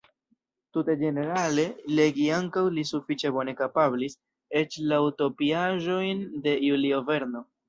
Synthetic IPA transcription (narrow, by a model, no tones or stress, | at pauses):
tute̞d͡ʒe̞ne̞ɾale̞le̞ɡiaŋkawlisufit͡ʃe̞bo̞ne̞kapablis | e̞t͡ʃlauto̞piaʒo̞jnde̞julio̞ve̞ɾno̞